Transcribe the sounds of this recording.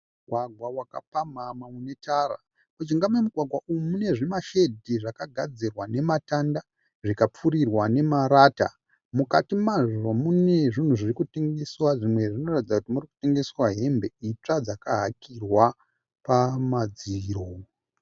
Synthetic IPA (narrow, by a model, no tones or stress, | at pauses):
muɡʱwaɡʱwawaka̰pamamaune̞tara̰ | kut͡ʃiŋɡamemuɡʱwaɡʱwaʔujumune̞ʐimaʃe̞dʱiʐakaɡʱad͡zirwane̞matanda | ʐikap͡fuɾirwane̞maɾaːta̰ | mukatimaʐomune̞ʐin̤uʐirikuteŋɡe̞swaʐimwe̞ʐino̞ratid͡zakutimuriku̥te̞ŋɡe̞swaɦe̞mbe̞it͡ʂad͡zakaɦakʰirwa | pamad͡ziroː